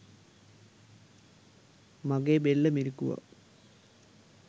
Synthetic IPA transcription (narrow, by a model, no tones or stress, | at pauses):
mɐɡebelːɐmiɾikːuʋɐ̰